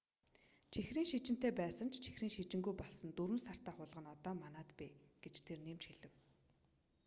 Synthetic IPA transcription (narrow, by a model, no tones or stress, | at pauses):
t͡ɕʰixriːŋʃit͡ɕɪ̆n̥t̪eːpæːsə̆n̥t͡ɕʰt͡ɕʰi̥xriːŋʃit͡ɕɪ̆ŋɡujpɔɮsɞ̆nt̪uɾɘ̆nsar̥t̪aːχʊːɮʁə̆nɔt̪ɔːmanaːt̪peːɡ̥et͡ɕt̪ʰerniːmt͡ɕxiɮɘ̆w